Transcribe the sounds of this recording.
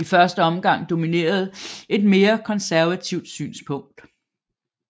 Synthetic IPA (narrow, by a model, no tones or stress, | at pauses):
ifɶɐsd̥əɒ̽mɡ̥ɑ̈ŋ̰d̥o̝mine̝̰ːɐð̞̩ˠe̝d̥me̝ːɐkʰɒ̽nsæɐʋæt͡sʰiʊd̥sy̰ːnspʰɔ̽ŋ̰d̥